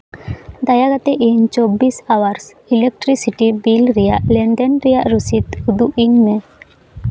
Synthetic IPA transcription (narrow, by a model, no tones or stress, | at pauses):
d̪ajaɡat̪ɛʔiɲt͡ʃɔbisawaɾs | ilɛk̚ʈɾisiʈibilɾɛjaʔlɛnɖ̪ɛnɾɛjaʔɾusit̪ud̪uʔiɲmɛ